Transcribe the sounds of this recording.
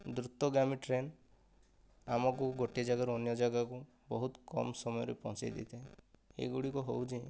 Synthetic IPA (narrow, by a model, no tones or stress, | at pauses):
d̪ɾut̪ːɔɡɾamiʈɾen | amɔkuɡoʈed͡ʒaɡaɾuɔnjɔd͡ʒaɡaku | bɔɦut̪kɔ̰msɔmɔjɔɾepɔ̃t͡ʃa̰jd̪ḭt̪ʰeẽḛɡuɽikuɦowt͡ʃʰi